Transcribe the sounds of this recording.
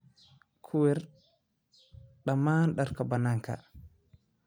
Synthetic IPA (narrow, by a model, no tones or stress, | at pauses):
kʰuwɛɾ | ɗamaːnɗaɾkabanaŋka̰